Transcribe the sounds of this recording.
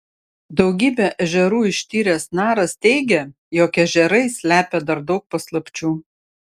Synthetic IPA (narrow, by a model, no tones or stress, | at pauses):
d̪ɒʊɡʲiːbʲɛʔɐʒʲɛɾuːɪʃʲt̪ʲiːɾʲeːsnɑːɾɐst̪ʲɛɪɡʲɛ | joːkʲɛʒʲɛɾɐɪsʲlʲæːpʲed̪ɐɾd̪ɒʊk̚pɐslˠɐpʲt͡ʃʲuː